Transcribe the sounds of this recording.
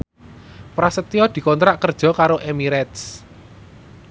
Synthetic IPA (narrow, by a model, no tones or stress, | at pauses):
pɾasət̪iɔd̪̥i̤kɔnt̪ɾaʔkərd̥ʒ̥ɔ̤kaɾoʔemiɾɛt̪s